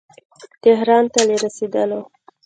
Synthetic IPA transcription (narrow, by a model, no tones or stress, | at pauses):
t̪eɦɾɑnt̪aleɾəsid̪əlo